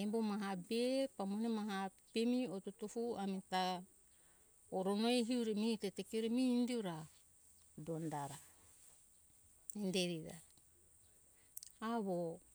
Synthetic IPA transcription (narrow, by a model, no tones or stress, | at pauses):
embomaɦabepamonemaɦa | pemiotutufuamita | oɾonoeɦiuɾemiitetekiuɾemiːndiuɾa | dondaɾa | indeɾiɾa | aβo